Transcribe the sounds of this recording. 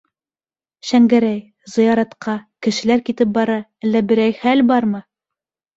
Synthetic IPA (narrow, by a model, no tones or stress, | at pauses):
ʃæŋɡæɾæj | zɤ̆jɑɾɑt̪qɑkɘ̆ʃɘ̆læɾkit̪ɘp̚bɑɾɑælːæbɘ̆ɾæjχælbɑɾmɤ